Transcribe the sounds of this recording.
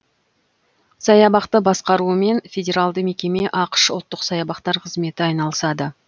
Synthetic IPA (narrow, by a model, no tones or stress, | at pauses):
sɑjɑbɑqt̪əbɑsqɑɾuəme̞nfʲedʲe̞ɾalˠd̪əme̞kʲe̞me̞ʔɑqə̥ʃʊlˠt̪ːəqsɑjɑbɑqt̪ɑɾqʰəzme̞t̪ɪɑjnɑlˠəsɑd̪ə